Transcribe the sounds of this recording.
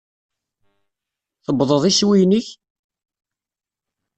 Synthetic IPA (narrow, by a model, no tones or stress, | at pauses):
θəbðˤəðˤiswijniç